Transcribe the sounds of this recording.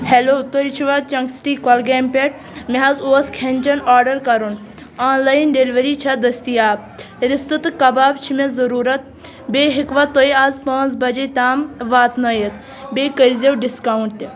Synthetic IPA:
heloːt̪oit͡ʃʰiʋɐt͡ʃɐŋɡsʈiːkɔlɡeːmpʲeʈ̚ | meɦɐzoːskʰenʲt͡ʃɐnaːɾɖɐɾkɐɾun | aːnlaːjnɖeliʋɐɾiːt͡ʃʰɐd̪ɐst̪ijaːb̚ | ɾɪst̪ɨt̪ɨkɐbaːbt͡ʃʰimezɐɾuːɾɐt̪̚ | beːɦikʋɐt̪oiaːzpaːnt͡sbɐd͡ʒet̪aːmʋaːt̪nɐjet̪ | beːkəɾzewɖɪskaːwɳʈt̪e

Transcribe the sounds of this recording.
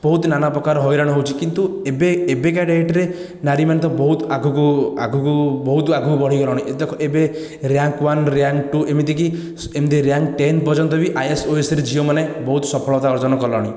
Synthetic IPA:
b̥ɔɦut̪nanapɾɔkaɾɔɦɔjɾaɽ̃ɔɦowt͡ʃʰikint̪uebeːbek̬aɖeeʈɾe | naɾimanet̪̬ɔbɔɦut̪aɡʱukuaɡʱukubɔɦut̪aɡʱukubɔɽikɔɾɔɽ̃ied̪ekʰɔʔebe | ɾjaŋkwanɾjaŋkʈuemid̪ik̬i | semd̪iɾjaŋɡʈent̪̚bɔd͡ʒɔnt̪̬ɔbiʔajesoesɾed͡ʒiomanebɔɦut̪ɔsɔpʰɔɭɔt̪aɔɾd͡ʒɔnɔkɔlɔɽ̃i

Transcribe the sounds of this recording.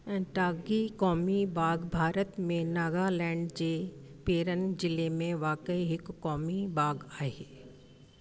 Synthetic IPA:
ɛ̃ʈaːɡikɔːmibʱaːɡbʱaːɾət̪mẽnaːɡalɛ̃ːɳɖd͡ʑeːpeːɾənd͡ʑɪlemẽʋaːkəiɦɪkːɔːmibʱaːɡaːɦeː

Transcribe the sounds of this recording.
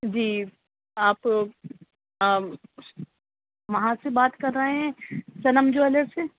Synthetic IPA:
d͡ʒiː | aːp | ʋɐɦãsebaːt̪kɐɾːɐɦeɦɛ̃sɐnəmd͡ʒoɛləɾse

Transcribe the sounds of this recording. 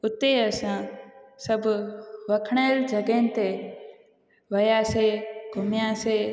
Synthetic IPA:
ʊt̪eəsãːsəbʱʋəkʰɳeːld͡ʒʱəɡeːnɪ̆t̪e | ʋəjaːseːɡʱʊmjãːseː

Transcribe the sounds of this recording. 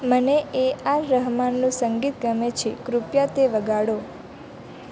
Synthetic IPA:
məneʔeaɾəɦmanːũsəŋɡit̪ɡəmet͡ʃʰikɾupjat̪eʋəɡaɽo

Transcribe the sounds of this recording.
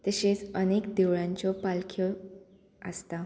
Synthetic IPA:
t̪əɕet͡sənekd̪eʋɭãɲt͡ɕɔpalkʰjɔ | ə̰st̪a

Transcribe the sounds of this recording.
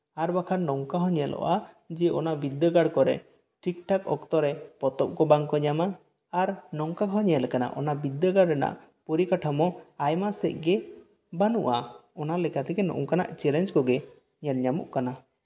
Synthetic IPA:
aɾbakʰaɾnɔŋkaɦɔ̃ɲɛlɔ̰ʔa | d͡ʒɛʔɔnabid̪əɡaɽkɔɾɛ̰ | ʈik̚ʈakɔkt̪ɔɾɛpɔt̪ɔp̚kɔbaŋkɔɲamaː | ɾnɔŋkaɦɔɲɛlɛkana̰ʔɔ̰nabid̪ːəɡaɽɾɛna̰ʔ | poɾikaʈʰamɔajmasɛ̰c̚ɡɛ | banṵʔaɔnalɛkat̪ɛkɛnɔ̰ʔṵŋkana̰ʔt͡ʃɛlɛnd͡ʒkɔɡɛ | ɲɛɾɲamṵʔkana

